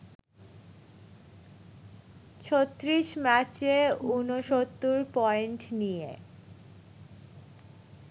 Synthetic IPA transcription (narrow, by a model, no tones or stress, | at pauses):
t͡ɕʰot̪ːɾiʃmɛt͡ɕeunoʃot̪ːuɾpɔenʈnijḛ